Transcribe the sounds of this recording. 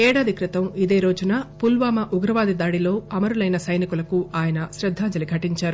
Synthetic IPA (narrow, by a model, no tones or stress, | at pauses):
ɛːɽaːd̪ikɾit̪ɐmid̪e̞ːɾo̞ːd͡ʒunapulʋaːmɐʔuɡɾɐʋaːd̪id̪aːɽilo̞ːɐmɐɾulɐjnɐsɐjnikulɐkuaːjɐnɐʃɾɐd̪ʱːaːd͡ʒɐliɡʱɐʈiɲt͡ʃaːɾu